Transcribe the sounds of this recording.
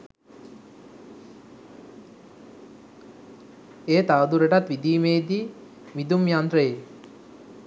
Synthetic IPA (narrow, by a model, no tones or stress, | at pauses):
eːt̪aːd̪uɾəʈat̪ʋid̪iːmeːd̪i | mid̪umjand̪ɾəje